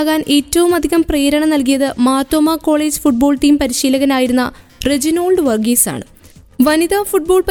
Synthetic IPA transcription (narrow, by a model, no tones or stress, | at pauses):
ɣaːnʔe̞ːtːɐʋumɐd̪ʱiɣɐmpreːɾɐɳɐmnɐlk̬ijɐðɨmaːt̪ːɐmakːo̞ːɭeːd͡ʑɨfuʈ̚bo̞ːɭʈiːmpɐɾiɕiːlɐɣɐnaːjiɾunːɐ̰red͡ʑino̞ːɭɖɨʋɐrɡiːsa̰ːɳɨ | ʋɐniðafuʈ̚bo̞ːɭpɐ